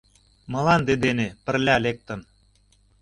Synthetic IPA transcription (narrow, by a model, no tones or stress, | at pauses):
mɤ̆lɑnd̪ed̪enepə̆rlʲælek̚t̪ə̆n